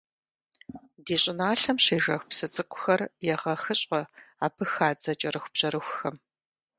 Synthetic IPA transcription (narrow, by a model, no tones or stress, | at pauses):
deːɕʼɪnaːɬɐmɕeːʒɐxʷpsɨt͡sʼɨkʷʼʊ̥xɐrjɛʁɐxɨɕʼɐaːpʰɨxaːd͡zɐt͡ʃʼɐrɨxʷb̥ʑ̥ɐɾɨxʷʊxɐm